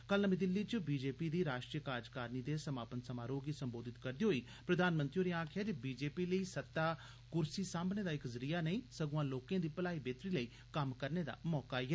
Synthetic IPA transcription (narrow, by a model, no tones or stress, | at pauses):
kəlnəmĩd̪ɪlːiːt͡ʃbiːd͡ʒeːpiːd̪iːɾaːʃʈɾijəkaːd͡ʒkaːɾniːd̪eːsəmaːpənsəmaːɾoːɡiːsəmboːd̪ɪt̪kəɾd̪iːɦoːiː | pɾəd̪aːnmənt̪ɾioːneãːkʰɪjaːd͡ʒebiːd͡ʒeːpiːləiːsət̪ːaː | kʊɾsiːsãːmbneːd̪aːɪkzəɾijaːnəĩːsəɡũãːloːkẽːd̪iːpəlaːiːbeːt̪ɾiːləiː | kəmkəɾneːd̪a̰ːmɔːkaːiɦɛː